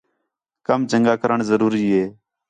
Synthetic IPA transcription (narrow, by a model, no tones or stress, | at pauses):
kəmd͡ʒəŋɡaːkəɾəɳzəɾuːɾiːɦeː